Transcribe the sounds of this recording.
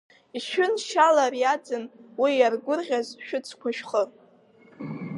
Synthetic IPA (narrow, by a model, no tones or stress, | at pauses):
iʃᶣʏnʃalarjad͡zɨnwijarɡʷʊrʁʲazʃᶣʊt͡sʰkʷʰaʃᶣχər